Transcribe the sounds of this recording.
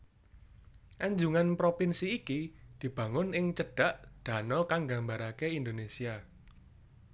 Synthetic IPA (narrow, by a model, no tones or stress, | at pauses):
ʔaɲd͡ʒuŋanpɾopinsiːkid̪̥i̤b̥ä̤ŋʊnɪŋt͡ʃəɖ̥a̤ʔd̪̥ä̤nɔkaŋɡa̤mbaɾakeind̪onesia